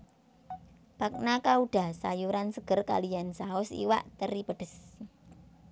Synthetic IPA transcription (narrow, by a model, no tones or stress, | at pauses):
b̥ak̚nakauɖ̥a̤sa̰juɾansəɡ̥ərka̰lijansaʊsḭwa̰ʔt̪əɾipəɖ̥əs